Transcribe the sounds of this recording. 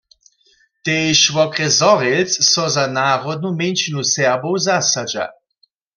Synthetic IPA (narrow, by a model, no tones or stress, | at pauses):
t̪ejʃvɔkʁɛzɔʁelsːɔzanaʁɔd̪̚nument͡ʃinusɛʁbowzasad͡ʒa̰